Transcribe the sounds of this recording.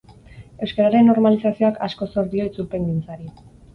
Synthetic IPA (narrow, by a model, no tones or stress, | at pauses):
e̞wskeɾaɾe̞nːo̞ɾmalisasio̞akasko̞so̞ɾdio̞it͡sulpe̞ŋɡint͡saɾi